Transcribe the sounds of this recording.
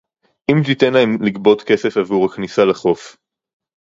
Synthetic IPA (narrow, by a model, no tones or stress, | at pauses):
ʔimt̪it̪enlaemliɡbo̞t̪ke̞se̞favuʁaknisalaχo̞f